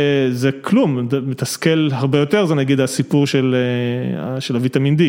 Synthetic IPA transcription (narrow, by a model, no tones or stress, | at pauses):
zekʰlummet̪askelɦaʁbejo̞t̪e̞ʁzenaɡid̪asipuʁʃelḛ | ʃelavit̪amind̪i